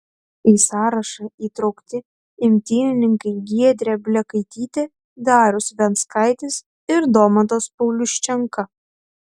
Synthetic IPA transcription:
iːsɑːɾɐʃɐiːt̪ɾɒʊkt̪ʲɪ | ɪmʲt̪ʲiːnʲɪnʲɪŋkɐɪɡʲiɛd̪ʲɾʲɛːbʲlʲɛkɐɪt̪ʲiːt̪ʲeː | d̪ɑːɾʲʊsʋʲɛnskɐɪt̪ʲɪs | ɪɾd̪oːmɐt̪oːspɐʊlʲʊʃʲt͡ʃʲɛŋkɐ

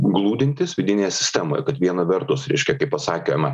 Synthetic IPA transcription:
ɡlˠuːd̪ʲɪnʲt̪ʲɪsʋʲɪd̪ʲɪnʲeːjɛsʲɪ̥sʲt̪ʲɛmoːjɛ̰kɐt̪ʋʲiɛnɐʋʲɛɾt̪ʊsɾʲɛɪʃʲkʲɛkɐɪpɐsɑːkʲoːjmɐ

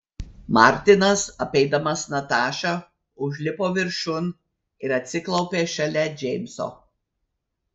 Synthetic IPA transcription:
mɑ̰ˑɾʲt̪ʲɪnɐsɐpʲɛɪd̪ɐmɐsnɐt̪ɑːʃɐ | ʊʒʲlʲɪpoːʋʲɪɾʃʊn | ɪɾɐt̪ʲsʲɪklˠɒʊpʲeːʃɐlʲɛd͡ʒʲɛɪmʲso̰ː

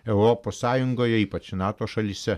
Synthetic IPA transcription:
ɛʊɾopoːsːɑːjʊŋɡoːjɛiːpɐt͡ʃʲnɑːt̪oːʃɐlʲiːsʲɛ

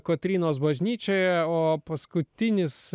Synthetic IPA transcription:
kot̪ʲɾʲiːnoːs̬bɐʒʲnʲiːt͡ʃʲoːjɛoːpɐskʊt̪ʲɪnʲɪs

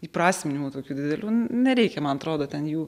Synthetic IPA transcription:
iːpɾɑːsʲmʲɪnʲɪmuːt̪oːkʲuːd̪ʲɪdɪd̪ʲɛlʲuːnʲɛɾʲɛɪkʲɛmɐnɐt̪ɾoːd̪oːt̪ʲɛnjuː

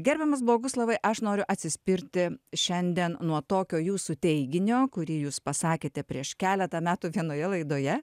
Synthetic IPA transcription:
ɡʲɛɾʲbʲɛmɐs̬blˠoːɡʊslˠɐʋɐɪʔɐʃnoːɾʲʊʔɐt̪ʲsʲɪsʲpʲɪɾʲt̪ʲɪʃʲɛnʲd̪ʲiɛnnuɔt̪oːkʲoːjuːsʊt̪ʲɛɪɡʲɪnʲoːkʊɾʲiːjuːspɐsɑːkʲeːt̪ʲɛpʲɾʲiɛʃkʲæːlʲɛt̪ɐmʲæːt̪uʋʲiɛnoːjɛlˠɐɪd̪oːjɛ

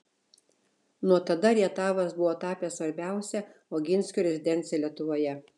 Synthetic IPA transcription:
nuɔt̪ɐd̪ɐɾʲiɛt̪ɑːʋɐsbʊʋoːt̪ɑːpʲesʋɐɾʲbʲæˑʊsʲɛoːɡʲɪnʲsʲkʲuːɾʲɛzʲɪd̪ʲɛnʲt̪sʲɪjɛlʲiɛt̪ʊʋoːjɛ

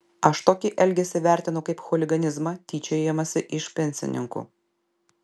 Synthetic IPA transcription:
ɐʃt̪oːkʲɪʔɛlʲɡʲɛsʲɪʋʲæˑɾʲt̪ʲɪnʊkɐɪpxɔlʲɪɡɐnʲɪzmɐt̪ʲiːt͡ʃʲɛeːmɐsʲɪʔɪʃpʲɛnʲsʲɪ̰nʲɪ̰ŋkṵː

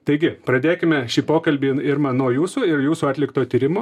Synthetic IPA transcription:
t̪ɐɪɡʲɪpɾɐd̪ʲeːkʲɪmʲɛʃʲiːpoːkɐlʲbʲiːɪɾmɑːnoːjuːsuːɪɾjuːsuːɑːt̪ʲlʲɪkt̪oːt̪ʲiːɾʲɪmoː

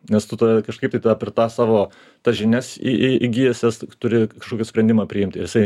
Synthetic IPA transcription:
nʲɛst̪ʊt̪ɐkɐʃkɐɪpt̪ɐɪt̪d̪ɐpʲɪt̪ɑːsɑːʋoː | t̪ɐʒʲɪnʲɛsḭiiɡʲiːjɛsʲɛst̪ʊɾʲɪkɐʃkoːkʲɪsʲpɾʲɛnʲd̪ʲɪmɑːpʲɾʲɪɪmʲt̪ʲɪɾjɪsɐɪ

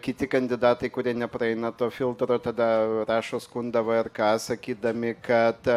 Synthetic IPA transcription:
kʲɪt̪ʲɪkɐnʲd̪ʲɪd̪ɑːt̪ɐɪkʊɾʲiɛnʲɛpɾɐɛɪnɐt̪oːfʲɪlˠt̪ɾoːt̪ɐd̪ɐɾɑːʃoːskʊnd̪ɐʋoɪrkɑːsɐkʲiːd̪ɐmʲɪkɐt̪

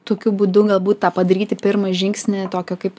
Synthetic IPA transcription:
t̪oːkʲʊbuːd̪ʊɡɐlˠbuːt̪t̪ɑːpɐd̪ɐɾʲiːt̪ʲɪpʲɪrmɐʒʲɪŋksʲnʲɪt̪oːkʲoːkɐɪp

